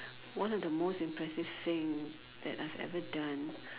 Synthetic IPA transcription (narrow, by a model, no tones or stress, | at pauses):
wãnɔvd̪əmostɪ̃mpʰɹɛsɪv̥θɪ̃ŋ | ð̥ɛ̰taɪvɛ̰vədãn